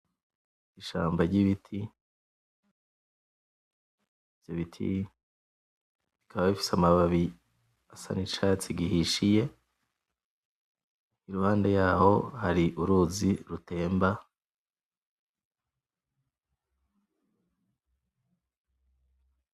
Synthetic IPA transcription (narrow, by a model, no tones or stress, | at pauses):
iʃaːmbaɾɟiβitʰi | vjoβitʰḭ | βikʰaβaβifi̥samaβaβi | asa̰nit͡ʃaːt͡siɡihiʃije̞ | iɾuhaːndejaːho̞haɾiʔuɾuːziɾute̞ːmba